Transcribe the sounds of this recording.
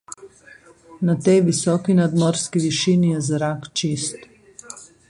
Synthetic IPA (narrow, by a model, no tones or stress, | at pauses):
nat̪ɛjʋisɔːkinad̪mɔɾskiʋiʃinijɛzɾakt͡ʃist̪